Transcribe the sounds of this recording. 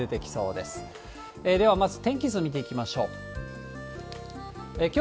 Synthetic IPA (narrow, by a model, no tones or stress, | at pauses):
e̞t̪ekʲi̥so̞̰ːd̪e̞sɨ̥ | ed̪e̞β̞amazɨt̪ẽ̞ŋkʲizɨomʲit̪̬e̞ikʲimaɕo̞ː | ekʲo